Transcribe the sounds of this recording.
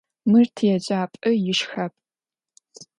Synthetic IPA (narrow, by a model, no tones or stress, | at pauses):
mɨrtʰjɛd͡ʒʼaːpʼɨjɪʃxɐp̚ʼ